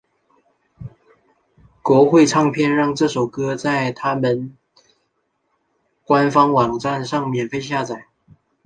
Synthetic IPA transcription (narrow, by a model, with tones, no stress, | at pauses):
kwɔ˧˥xwe˥˧ɪʈ͡ʂʰɑ˥˧ŋpʰjɛ˥˧nɻɑ˥˧ŋʈ͡ʂɤ˥˩ʂo˨˩ʊkɤ˥t͡sa˥˩ɪt̪ʰa˥mə˨n | kwa˦˥nfɑ˥ŋwɑ˨˩ŋʈ͡ʂa˥˧nʂɑ˥˩ŋmjɛ˨˩nfe˥˧ɪɕ̬ja˥˩t͡sa˨˩˦ɪ